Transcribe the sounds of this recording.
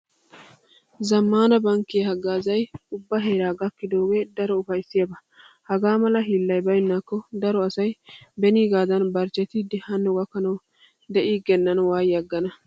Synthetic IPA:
zɐmːaːnɐbɐŋkːiɐhɐɡaːzɐjʊbːɐɦe̞ːɾaːɡɐkːɪd̪o̞ːɡe̞ːd̪ɐɾɔʊfɐjsːɪjɐbɐ | hɐɡaːmɐlɐɦiːlːɐjbɐjɪnːakːɔd̪ɐɾɔɐsɐjbɛniːɡaːd̪ɐnbɐɾt͡ʃːɛt̪ɪd̪ɪhɐnːɛwɐkːɐnɐw | d̪ɛʔiːɡɛnːɐnwaːjɐɡːɐnɐ

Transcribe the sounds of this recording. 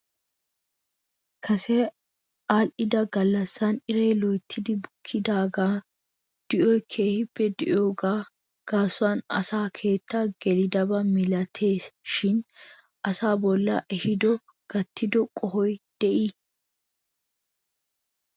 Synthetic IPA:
kʰɐsɛ | aːlʔɪd̪ɐɡɐlːɐsːɐnɪɾeːlɔjt̪ʰːɪd̪ɪbʊkʰːɪd̪aːɡaː | d̪̥ɪʔɔjkʰe̞ːhɪbːɛd̪ɪʔjo̞ːɡaː | ɡ̥aːsʊwaːnɐ̰saːkʰe̞ːt̪ʰːaɡ̥ɛlɪd̪ɐbɐmɪlɐt̪ʰe̞ːsʃɪn | ʔɐsaːbɔlːɐ̰ʔɛhɪd̪ɔ | ɡ̥ɐt̪ːɪd̪ɔkʼɔɦɔjd̪̥ɛʔi

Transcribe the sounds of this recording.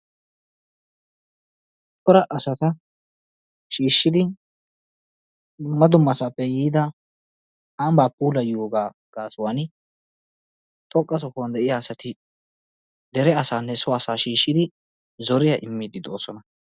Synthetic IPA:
t̪ɔɾɐʔɐsɐt̪ɐ | ʃiːʃːɪd̪ɪ | d̪ʊmːɐd̪ʊmːɐsaːpːɛjiːd̪ɐ | aːmbaːpʼːuːlɐjoːɡaː | ɡ̥aːsʊwan | t̪ʼɔkʼːɐsɔkʊwɐnd̪ɛʔɪjaːsɐt̪ɪ | d̪ɛɾɛɐsaːnːɛsʊasaːʃiːʃːɪd̪ɪ | zɔɾɪjɐʔɪmːɪd̪ɪd̪o̞̰ːsɔnɐ

